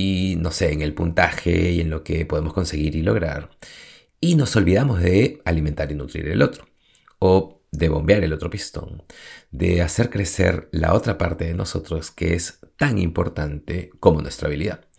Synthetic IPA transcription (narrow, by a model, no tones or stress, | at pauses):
ino̞se̞ːŋe̞lpunt̪axe̞̰ie̞nlo̞ke̞po̞ð̞emo̞sko̞nse̞ɣiɾilo̞ɣ̞ɾa̰ɾ | ino̞so̞lβiðamo̞zðe̞aliment̪aɾinut̪ɾḭɾe̞̰lʔo̞t̪ɾo̥ | o | ðe̞βo̞mbeaɾe̞lo̞t̪ɾo̞pist̪o̞̰ŋd̪e̞ase̞ɾkɾe̞se̞̰ɾla̰ʔo̞t̪ɾapaɾt̪e̞ðeno̞sot̪ɾo̞ske̞̰est̪aŋḭmpo̞̰ɾt̪ant̪e̞ko̞mo̞nwe̞st̪ɾa̰βiliða